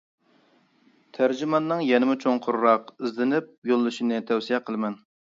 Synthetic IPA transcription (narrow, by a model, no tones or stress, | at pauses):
t̪ʰæɾd͡ʒymɑnːɨŋjɛnɪmʊt͡ʃʰoŋqʰʊɾɾɑqizlɪnɪp̚jolˠːɨʃinɨt̪ʰɛwsijɛqʰəlˠɨmɛn